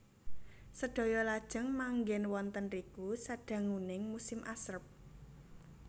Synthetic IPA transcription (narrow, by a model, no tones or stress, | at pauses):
səɖ̥o̤jɔlad̥ʒ̥ə̤ŋmaŋɡɛnwɔnt̪ənrikusaɖ̥ä̤ŋunɪŋmusɪmʔasərp̚